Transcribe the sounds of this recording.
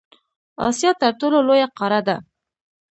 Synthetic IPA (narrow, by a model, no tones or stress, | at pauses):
ɑ̰sjɑt̪aɾʈololojaqɑɾad̪a